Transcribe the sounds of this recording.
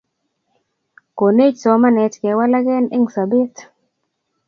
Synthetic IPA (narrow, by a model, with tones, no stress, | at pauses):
ko˨ne˦d͡ʒsɔ˨˦ma˦nɛ˨tkɛ˨˦wa˦la˦ɡɛ˦ne˦ŋsa˨be˦t̪